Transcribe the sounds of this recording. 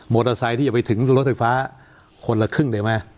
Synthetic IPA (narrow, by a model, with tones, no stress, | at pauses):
moː˧˩a˧saː˧j̪ʰiː˥˩a˨˩pa˧jt̪ʰɯ˩˦ŋɾo˦˥t̪̚fa˧jfaː˦˥ | kʰo˧nla˧kʰɯ˥˩ŋda˧ma˦˥˩